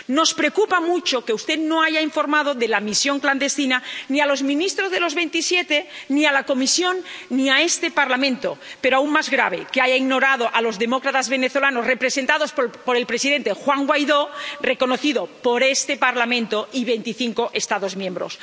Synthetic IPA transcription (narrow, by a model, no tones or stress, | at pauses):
no̞spɾeokupamut͡ʃokeust̪e̞ðno̞aʝaiɱfo̞ɾmað̞oðe̞lamisjo̞ŋkland̪e̞st̪inanialo̞zmĩnist̪ɾo̞zð̞e̞lo̞zβe̞nt̪isje̞t̪e̞nialako̞misjo̞nːiae̞st̪e̞paɾlamẽ̞nt̪o̞̰peɾoaunmazɣɾaβ̞e̞keaʝaiɣno̞ɾað̞o̞ʔalo̞zðe̞mo̞kɾat̪azβe̞ne̞θo̞lanosre̞pɾe̞se̞nt̪aðo̞sppo̞ɾe̞lpɾe̞siðe̞nt̪e̞xwaŋɡwajðo̞re̞ko̞no̞θiðopo̞ɾe̞st̪e̞paɾlamẽ̞nt̪o̞iβe̞jnt̪iθiŋkoʔe̞st̪aðo̞zmjẽmbɾo̞̰s